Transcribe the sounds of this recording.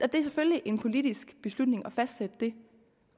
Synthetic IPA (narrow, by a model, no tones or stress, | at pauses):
ɒd̥e̝æsefølliʔe̝npʰo̝lid̥isɡ̥b̥e̝slud̥ne̝ŋɒ̽fæsd̥sed̥əd̥e̝